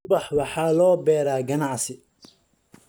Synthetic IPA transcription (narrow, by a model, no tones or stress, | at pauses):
bɑħwɑħɑːlɔːbɛːɾaːɡɐnɑʕsɪ